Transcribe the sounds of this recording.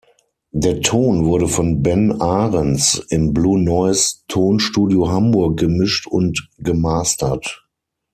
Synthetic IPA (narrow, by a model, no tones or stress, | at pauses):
deːɐtʰoːnvʊɐɾəfɔnbɛnaːʁənsɪmbluːnɔɪstʰoːnʃtuːdioɦambʊɐk̚ɡ̥əmɪʃtʊntɡ̥əmaːstɐt